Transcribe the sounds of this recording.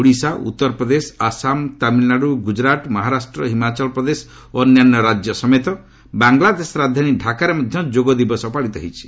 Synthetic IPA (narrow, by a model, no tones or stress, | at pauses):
uɽisaʔṵt̪ːɔɾɔpɾɔd̪esɔ̥asamt̪amilaɾuɡud͡ʒɾat̪mɔɦaɾasʈɾɔɦimat͡ʃɔlɔpɾɔd̪esɔ̥ | oːnjanːɔɾad͡ʒjɔsɔmet̪ɔ | baŋɡlad̪esɔɾad̪ʱaniɖʱakaɾemɔd̪ʱjɔd͡ʒoɡɔd̪ibɔsɔpaɽit̪ɔɦit͡ʃʰi̥